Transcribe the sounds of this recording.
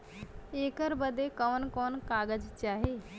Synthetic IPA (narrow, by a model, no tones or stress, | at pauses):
eːkəɾbəd̪ʱekɔʋnkɔːnkaɡəd͡ʒt͡ʃaːɦe